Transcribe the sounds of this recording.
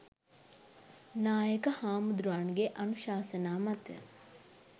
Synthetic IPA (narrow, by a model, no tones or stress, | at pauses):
naːjəkɐhaːmud̪ɾuaːɳɡeʔɐnuʃaːsɐnaːmɐt̪ə̰